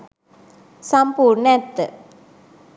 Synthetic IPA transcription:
sɐmpuːɾɳɛt̪ːɨ

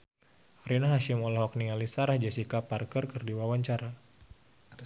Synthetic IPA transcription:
rinaɦaʃimɔlaɦɔk̚niŋalisaɾahd͡ʒasikaparkərkərdiwawaɲt͡ʃaɾa

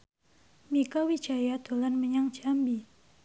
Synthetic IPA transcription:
mikawid͡ʒajad̪̥o̤lanməɲaŋd͡ʒambi

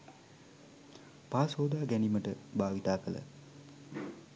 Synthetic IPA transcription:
paːsoːd̪aːɡæniməʈəbaːʋit̪aːkələ̰

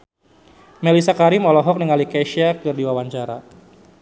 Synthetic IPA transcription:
melisakaɾimɔlɔɦɔk̚niŋalikaʃiak̚dɨrdiwawaɲt͡ʃaɾa̰

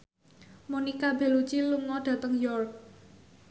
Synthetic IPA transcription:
munikab̥e̤lut͡ʃiluŋɔɖ̥ä̤t̪əŋjɔrk̚

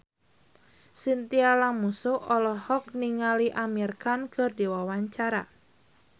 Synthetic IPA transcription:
sint̪ialamusuɔlɔhɔk̚niŋaliʔamirkankɨrdiwawaɲt͡ʃaɾa̰

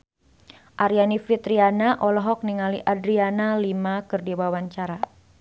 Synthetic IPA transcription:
ʔaɾijanifit̪ɾianaʔɔlɔɦɔk̚niŋaliʔadɾianalimakɨrdiwawaɲt͡ʃaɾa

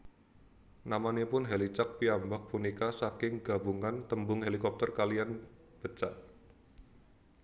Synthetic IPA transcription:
namanepʊnɦelit͡ʃak̚piambɔk̚punikasakɪŋɡ̥a̤buŋant̪əmbʊŋɦelikɔp̚t̪ərkalian | b̥ət͡ʃaʔ

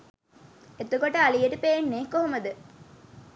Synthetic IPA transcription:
et̪ukoʈɐalijeʈupeːnːeːkoɦomɐd̪ɨ

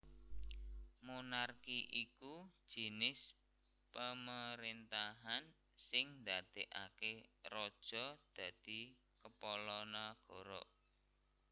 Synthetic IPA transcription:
munarkiʔikud̥ʒ̥i̤nɪs | pəməɾint̪aɦan | sɪŋnd̪ad̪̥eʔa̰kerɔd̥ʒ̥ɔd̪̥ä̤d̪̥i̤ | kəpɔlɔnaɡ̥ɔ̤ɾɔ̰ʔ

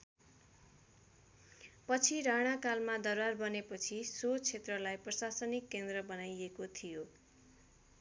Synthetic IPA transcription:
pʌt͡sʰiɾaɽ̃akalmad̪ʌrwarbʌnepʌt͡sʰisot͡sʰet̪rʌlajprʌsasʌnikːend̪rʌbʌnajekot̪ʰijo

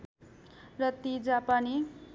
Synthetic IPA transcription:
rʌt̪id͡zapani

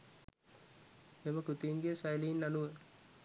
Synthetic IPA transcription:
eməkut̪iːnɡijəsajliinːanuʋə

